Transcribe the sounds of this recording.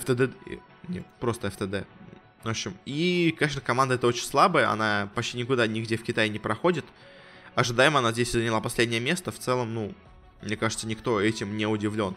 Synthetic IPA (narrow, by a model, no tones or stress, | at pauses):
ɛft̪əd̪ɛ̰ | nʲḛt̪pɾo̞st̪əɛft̪əd̪ɛ | voɕːɪmikɐnʲeʂ̬nəkɐmand̪əɛt̪əo̞t͡ɕɪnʲslˠabəjəɐ̰napɐt͡ɕʲtʲinʲɪkʊd̪anʲɪɡdʲe̞fkʲɪt̪ajɪnʲɪpɾɐxo̞dʲɪt̪ | ɐʐɨd̪ajɪmɐnazʲdʲesʲzənʲɪlˠapɐsʲlʲedʲnʲɪjəmʲe̞st̪əft̪sɛlˠəmnu | mnʲe̞kaʐɨt̪sənʲɪkt̪o̞ɛtʲɪmnʲeʊdʲɪvlʲo̞n